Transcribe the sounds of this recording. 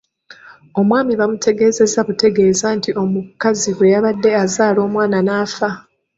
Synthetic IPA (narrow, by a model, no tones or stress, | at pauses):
o̞mwaːmiβamute̞ɡe̞ːze̞zaβute̞ɡe̞ːzantiʔo̞mukaziβwe̞jaβadːe̞azaːlo̞ːmwaːnanaːfa